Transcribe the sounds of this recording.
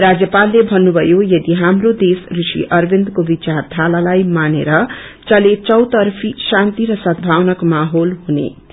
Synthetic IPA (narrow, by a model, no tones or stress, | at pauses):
rad͡zjʌpalːebʱʌnːubʱʌjojʌd̪iɦamrod̪esrusḭʔʌrbʱend̪kobit͡sard̪ʱalalajmanḛɾʌt͡sʌlet͡sʌwt̪ʌrpʰisant̪iɾʌsʌd̪bʱawnʌkmaɦolɦunḛ